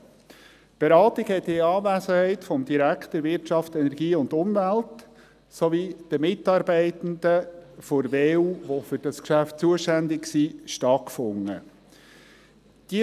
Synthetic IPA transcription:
b̥eɾɑːtɪɡhɛt̪ːɪɑːvæːsəhɛɪtfɔmd̥̪iɾækχtəɾvɪɾtʃɑftɛnɛɾɡiːʊndʊmvælt | sɔvid̥əmɪtːɑɾbɛɪtən̩d̪əfɔɾveːuːʋofʏɾd̥ɑskʃæft̚t͡suəʃtænd̪ɪksiʃtɑtkfʊŋːə̰ | d̥i

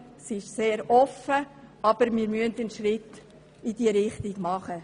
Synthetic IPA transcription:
siɪʃseːɾɔfəɑb̥əɾmɪːɾmyəntənʃrɪt̪ː | id̥iːɾɪχtiɡmɑχə

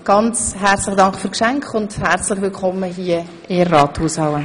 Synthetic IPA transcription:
ɡ̥ɑnt͡sɦɛɾt͡slɪχədɑŋkχføːɾkʃæŋkχʊndhɛɾt͡slɪχʋɪlkʰχɔmːəɦiə | ɪrɑːthuːshawə

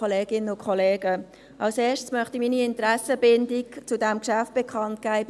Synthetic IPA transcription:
oleːɡ̥ɪnəʊkʰχoleːɡə | ʔɑlseːʃtsmœχtimiːniɪntɾæsəbɪndɪkt͡sʊdæmkʃæft̚b̥ɛkʰχɑnt̚ɡ̥ɛɪ

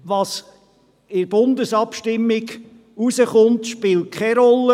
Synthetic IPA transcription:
ʋɑs | ɪɾb̥ʊnd̪əsɑpʃtɪmːɪɡ | usəχʊnt̪ʃpɪːlt̚kʰχɛɾɔlːə

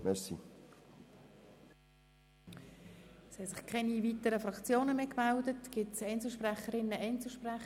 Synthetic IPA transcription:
mɛɾsḭ | shɛsɪχkʰɛnivitəɾəfɾɑkt͡sjoːnəmeːkmældətɡ̥ɪtsɛɪnt͡sl̩ʃpræχəɾɪnːəʔɛnt͡ssl̩ˠʃpræχ

